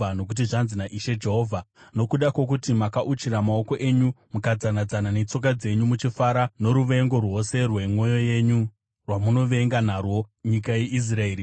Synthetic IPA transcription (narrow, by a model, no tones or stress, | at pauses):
ano̞k̬ut̬iʐanzinaʔiʃed͡ʒe̞ɦoːvʱano̞kuɗakwo̞k̬utimakaʔut͡ʃiɾamao̞ko̞ʔe̞ɲumukad͡zanad͡zanane̞t͡so̞k̬ad͡ze̞ɲumut͡ʃifaɾano̞ɾuʋe̞ŋɡo̞rwo̞se̞rwe̞mo̞jo̞je̞ɲu | rwamuno̞ʋe̞ŋɡan̤arwo̞ɲikaje̞ʔis̬rae̞ːɾi